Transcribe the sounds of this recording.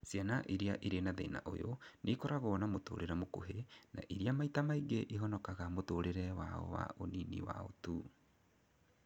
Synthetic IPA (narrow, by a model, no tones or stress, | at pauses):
sjanaʔiɾiaʔiɾenaðeina̰ʔo̰jonʔekɔɾaɣoɔnamoto̰ːɾʔeɾɛmoko̰ɦena̰ʔiɾiamaitamaiɡeʔiɦɔnɔkaɣamotoɾeɾɛwa̰ɔ̰wa̰ʔoninḭwa̰o̰tu